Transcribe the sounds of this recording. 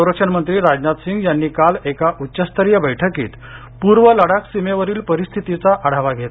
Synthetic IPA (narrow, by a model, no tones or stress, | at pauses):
əwɾəkʂənmənt̪ɾiːɾad͡ʑnat̪siŋɡjanːiːkalekaʔut̪ːɕəst̪ʰəɾjəbəjʈʰəkḭːt̪ | puɾʋələɽaksimeʋəɾiːlpəɾist̪ʰit̪it͡saʔaɽ̤aʋaɡʱet̪